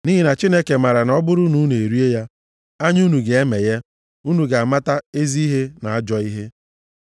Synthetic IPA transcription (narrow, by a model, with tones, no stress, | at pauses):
ni˦ɦi˦˨na˨t͡ʃi˦ne˦ke˨ma˨ɾa˨nɔ˦bʊ˦ɾʊ˦nu˦n˨e˨ɾi˦e˦ja˦ | a˦ɲ˦u˦nu˨ɡe˨e˦me˨je˦ | u˦nu˨ɡa˨a˨ma˦ta˦e˦zi˦i˦ɦe˦na˨a˦d͡ʒɔ˦i˦ɦe˦